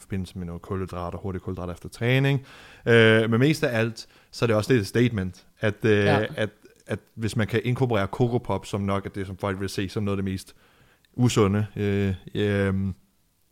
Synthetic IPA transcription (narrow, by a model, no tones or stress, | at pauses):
fɒ̽b̥e̝n̰l̩səmenoːkʰɔləd̥ʁɑ̈ːd̥ɒho̝ɐɾi̥kʰɔld̥ʁɑ̈ːdˠɐefd̥ɐt͡sʰʁɛːne̝ŋømenme̝̰ːsd̥ææl̰d̥ | sɒ̽ɐɾ̥e̝ɒ̽sə̥d̥e̝de̥sd̥eɪd̥men̰d̥ | æd̥æd̥ | æd̥ʋe̝smænkʰæʔe̝nkʰopoʁɛ̰ːɐkʰo̝ɡ̥ʰopʰɒ̽b̥sɒ̽mnɒ̽ɡ̥æd̥e̝sɒ̽mfɒ̽l̰ɡ̥ʋelse̝̰ːsɒ̽mnoɔːð̩ˠde̝me̝̰ːsd̥ | ʔusɔ̽nəø | m